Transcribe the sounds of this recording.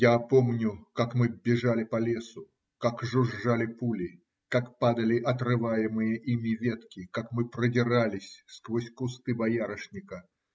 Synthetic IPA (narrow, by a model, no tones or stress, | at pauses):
japo̞mnʲʊkakmɨbʲɪʐalʲɪpɐlʲe̞sʊ | kakʐʊʐːalʲɪpulʲɪ | kakpad̪əlʲɪʔɐt̪rɨvajɪmɨjəʔimʲɪvʲe̞t̪kʲɪkakmɨpɾədʲɪralʲɪsʲskvosʲkʊst̪ɨbɐjaɾəʂnʲɪkə